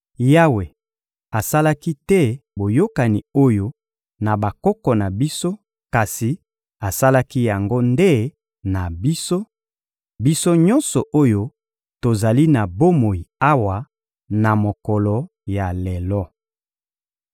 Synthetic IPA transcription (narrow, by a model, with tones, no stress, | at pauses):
ja˦we˨ | a˨sa˦la˦ki˦tɛ˦bo˨jo˦ka˨ni˨o˦jo˦ | na˨ba˨kɔ˦kɔ˨na˨bi˦so˦ | ka˨si˨ | a˨sa˦la˦ki˦ja˨ŋɡo˦nde˦ | na˨bi˦so˦ | bi˦so˦ɲɔ̃˦nsɔ˨ʔo˦jo˦ | to˨za˨li˦na˨bo˦mo˨i˨a˦wa˨ | na˨mo˨kɔ˨lɔ˨ | ja˨lɛ˨lɔ˦